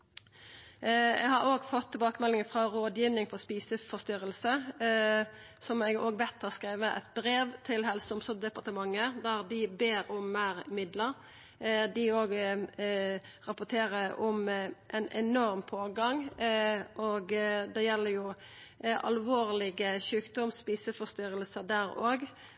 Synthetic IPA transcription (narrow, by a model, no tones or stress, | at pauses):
ɛ̰ɡhɑɾoːɡfɔt̪ʰːɪlbɑːkəmɛlɪŋəfʁɑɾoːd̪jiːʋnɪŋpʰɔspiːsəfɔst̪ʏɾəlsə | sɔmɛɡoːɡʋɛt̪ʰːɑskɾeːʋəəʔɛ̰t̪bɾeːʋt̪ʰɪlɦɛlsɔmsɔd̪ɛpɑʁt̪əmɑŋːəd̪æʁd̪ɪbeːɾʊmːæːɾmɪd̪ləɾ | d̪ɪoːɡ | ʁɑpʊʈ̪ʰeːɾəɔmʔɛnɛnɔɾmpʰoːɡɑŋ | ʔoːɡd̪ɛjɛlːəɾjʊ | ʔɑ̰lʋoːʁlɪɡəʃʉːkd̪ɔmspiːsəfɔst̪ʏɾəlsəd̪æɾoːɡ